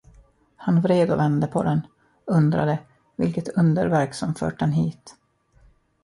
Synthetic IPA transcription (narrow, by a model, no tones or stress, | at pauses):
hanvɾeːd̪ʊvɛnd̪əpʰɔ̰d̪ɛn | ɵnd̪ɾa̰d̪ə | vɪ̰lkət̪ʰɵnd̪ə̰ɾvæɾksɔmfœ̰ːʈ̚dɛnɦiːt̪